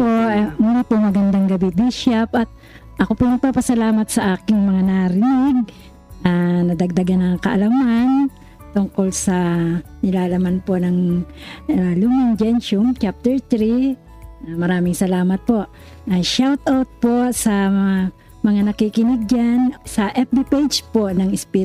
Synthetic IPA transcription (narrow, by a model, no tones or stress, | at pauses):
pomuːlipoŋmɐɡɐŋd̪aŋɡɐbid̪iʃapʔɐt̪̚ | ʔɐkopʊnɐɡ̚paːpɐsɐlaːmɐt̪sɐʔaːkɪŋmɐŋanaɾɪnɪɡ̚ | ʔanɐd̪ɐɡ̚d̪ɐɡanɐŋkɐʔɐlaman | t̪ʊŋkolsɐnɪlaːlɐmanponɐŋ | alʊmɪnd͡ʒɛnʃʊmt͡ʃap̚t̪ɛɹt̪ɾi | amɐɾaːmɪŋsɐlaːmɐt̪̚po̞ʔ | aʃawt̪ʔawt̪̚posɐ | mɐŋanɐkikɪnɪɡ̚d͡ʒansɐʔɛp̚bipejd͡ʒponɐŋɪspi